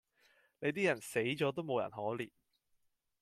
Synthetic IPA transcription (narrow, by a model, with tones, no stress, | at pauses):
ne˨˧jt̪̬iː˥jɐ˨˩nse˨˥jt͡ʃɔː˨˥t̪o˥wmo˨˧wjɐ̰˨˩nhɔː˨˥liː˨˩